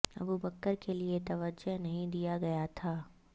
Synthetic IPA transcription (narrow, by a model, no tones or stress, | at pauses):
ɐ̰bubəkːəɾkeliet̪ɐʋəd͡ʒəɦnɐɦĩd̪ijaɡɐjat̪ʰaː